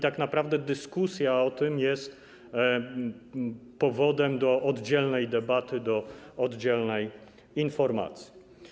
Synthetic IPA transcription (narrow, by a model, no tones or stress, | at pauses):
it̪aknapɾavd̪ɛd̪ɘskusʲjaɔt̪ɘmjɛst̪ | pɔvɔd̪ɛmd̪ɔʔɔd̪d͡ʑɛlnɛjd̪ɛbat̪ɘd̪ɔɔd̪d͡ʑɛlnɛj | infɔɾma̰t̪sʲji